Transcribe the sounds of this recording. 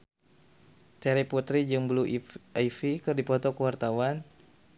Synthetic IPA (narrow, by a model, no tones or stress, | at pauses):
t̪ɛɾiput̪ɾid͡ʒɨŋbluʔaifikɨrdipɔt̪ɔkəwart̪awan